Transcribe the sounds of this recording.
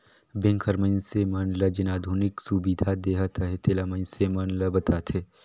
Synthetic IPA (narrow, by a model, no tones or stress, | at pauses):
bɪ̃ŋkʰəɾmə̃nsemənlɐd͡ʒɪnaːd̪ʱuːnɪksubid̪ʱad̪eːɦət̪ʰəɦet̪eːlaməɪnsemənləbɐt̪aːt̪ʰɦeː